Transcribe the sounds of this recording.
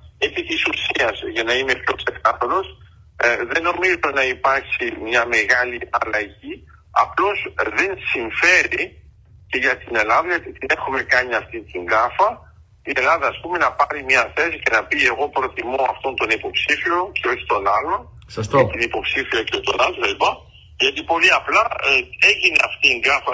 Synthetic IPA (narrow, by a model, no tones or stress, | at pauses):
epit̪isusiɐsʝɐnɐime̞pço̞pse̞k̪ɐθoɾo̞s | ðe̞no̞mizet̪enɐipɐɾçimɲɐme̞ɣɐliʔɐlɐʝi | ɐ̰plo̞zðe̞nsiɱfe̞ɾi | ce̞ʝɐt̪ine̞lɐðɐʝot̪it̪ine̞xume̞kɐɲiɐft̪int̪iŋɡɐfɐ | ie̞lɐðɐːspume̞nɐpɐɾimɲɐθe̞sice̞nɐpie̞ɣo̞pɾo̞t̪imoɐ̰ft̪o̞nt̪o̞nipo̞psifio̞ceo̞çi̥t̪o̞nɐlon | sɐst̪t̪inipo̞psifiɐcet̪o̞nɐlvelbɐ | ʝɐt̪ipo̞liɐplɐe̞ʝineɐft̪iːŋɡɐfɐ